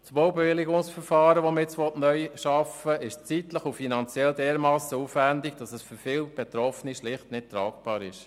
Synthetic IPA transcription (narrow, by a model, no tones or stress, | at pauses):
t͡sʋowbɛʋɪliɡʊŋsfəɾfɑːɾəʋɔməjɛt͡sʋɔtnœjʃɑfəɪʃt͡sit̪ləχufinɑnt͡sjɛldɛːɾmɑːsəuːfʋændɪɡ̚d̥ɑsəsføɾfɪlb̥et̪ɾɔfniʃlɪχtnɪtt̪ɾɑːkb̥ɑːɾɪʃ